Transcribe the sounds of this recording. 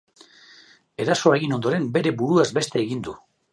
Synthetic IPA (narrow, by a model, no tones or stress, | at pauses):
e̞ɾaso̞eɣino̞nd̪o̞ɾe̞mbe̞ɾe̞buɾuazbe̞st̪e̞ːɣind̪u